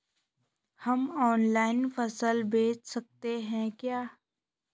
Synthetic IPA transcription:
hɐmɔːnlaːɪnfɐsəlbeːt͡ʃsɐk̚t̪eɦɛ̃kjaː

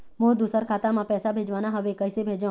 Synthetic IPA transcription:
mod̪usəɾkʰat̪amãpɛːsabʱed͡ʒʋanaɦəʋekəjsebʱed͡ʒa

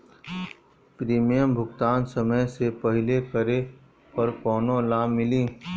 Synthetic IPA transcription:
pɾiːmijəmbʱʊɡt̪aːnsəməjsepəɦɪlekəɾe | ɐɾkɔːnõlaːmːɪlĩː

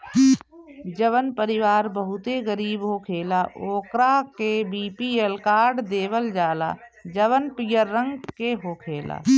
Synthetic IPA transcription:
d͡ʒəʋənpəɾɪʋaːɾbəɦʊt̪eɡəɾiːbɦokʰeːlaʔoːkɾakebiːpieːlkaːɾɖd̪eːʋəld͡ʒaːla̰ːd͡ʒəʋənpijəɾːə̃ŋɡkeɦokʰeːla̰ː

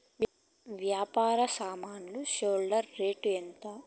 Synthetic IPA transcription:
ʋjaːpaːɾɐsaːmaːnluʃoːlɖɐɾːeːʈuent̪a

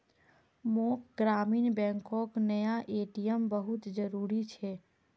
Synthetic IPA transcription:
mokɡɾaːmiːnbɛ̃ːŋkõknəjaʔeʈijəmbəɦut̪d͡ʒəɾuːɾit͡ʃʰɛ

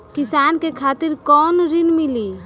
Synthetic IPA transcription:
kɪsaːnkekʰaːt̪ɪɾkɔːnɾɪnmɪli

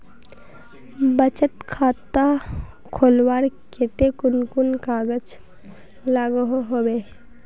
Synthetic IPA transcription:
bət͡ʃət̪kʰaːt̪a | kʰoːlwaːɾket̪ekʊnkʊnkaːɡəd͡ʒ | laːɡəɦoɦoweː

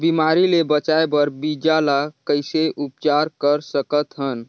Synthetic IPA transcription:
bimaɾilebət͡ʃaebəɾbid͡ʒalakəjseʔupt͡ʃaɾkəɾsəkət̪ɦən

